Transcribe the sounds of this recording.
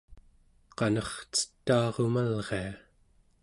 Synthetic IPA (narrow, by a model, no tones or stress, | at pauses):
qɑnʌχt͡sə̥t̪ːɑːʁomalʁe̞a